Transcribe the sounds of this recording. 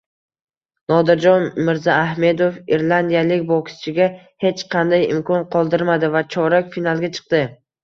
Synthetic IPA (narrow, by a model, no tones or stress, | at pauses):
nɒd̪ɪɾd͡ʒɒnmɪɾzaːhme̞d̪ofiɾlˠand̪ijalɪkʲbokʲst͡ʃʰɪɡʲa | he̞t͡ʃqʰɑnd̪ajɪ̰mkʰɒnqʰɒlˠd̪ɪɾmad̪ɪvat͡ʃʰɒɾakʲfinalˠɡʲat͡ʃʰɨ̥q̚d̪ɪ